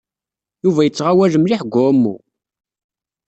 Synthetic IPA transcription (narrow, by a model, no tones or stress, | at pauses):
juvæjət͡sːʁawæʒəmliħɡʷʊmːṵ